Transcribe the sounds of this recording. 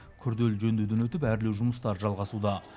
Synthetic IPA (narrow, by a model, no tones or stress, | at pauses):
kʲʰʏɾd̪e̞lʒɵnd̪ed̪enwɵt̪ɪpæɾlewʒʊməst̪ɑɾʒɑlˠʁɑsud̪ɑ